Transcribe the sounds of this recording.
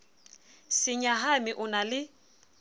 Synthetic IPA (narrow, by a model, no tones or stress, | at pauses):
sɪɲaɦamɪʔʊnalɪ